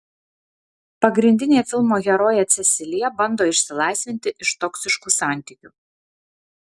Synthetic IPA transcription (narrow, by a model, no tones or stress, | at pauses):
pɐɡɾʲɪnʲd̪ʲɪnʲeːfʲɪlˠmoːɡʲɛɾoːjɛt̪sʲɛsʲɪlʲɪjɛbɐnd̪oːɪʃʲsʲɪlˠɑɪsʲʋʲɪnʲt̪ʲɪʔɪʃt̪ɔksʲɪʃkuːsɑˑnʲt̪ʲiˑkʲu